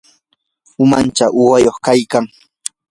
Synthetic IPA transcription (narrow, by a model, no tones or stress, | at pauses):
ʊmant͡ʃaʔʊwajoχkajkaŋ